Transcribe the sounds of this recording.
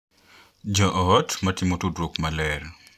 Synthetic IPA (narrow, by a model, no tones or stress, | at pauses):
d͡ʒɐʔɔtmɐtɪmotudɾokmɐlɛr